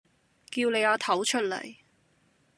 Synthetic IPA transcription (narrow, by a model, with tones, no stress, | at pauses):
kiː˧wne˨˧jaː˨˧t̪ʰɐ˨˥wt͡ʃʰɵ˥t̚lɐ̰˨˩j